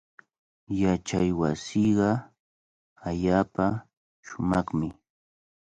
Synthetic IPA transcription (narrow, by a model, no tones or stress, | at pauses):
jat͡ʃajwasiɢɑ | aʎaːpa | ʃʊmɑχmɪ